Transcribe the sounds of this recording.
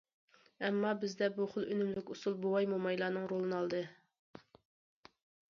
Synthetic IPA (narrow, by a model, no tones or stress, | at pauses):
ɛmːɑbɪzd̪ɛbuχʊlˠønymlykʲusulˠbowɑjmomɑjlˠɑːnɨŋɾolˠɨnɑlˠd̪ɨ